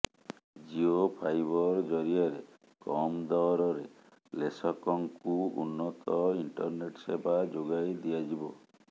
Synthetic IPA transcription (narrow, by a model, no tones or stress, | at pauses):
d͡ʒiopʰajbɔɾd͡ʒɔɾiaɾe | kɔmd̪ɔɾɔɾe | lesɔkɔŋkuṵnːɔt̪ɔiɳʈɔɾneʈsebʱad͡ʒoɡajd̪iad͡ʒibɔ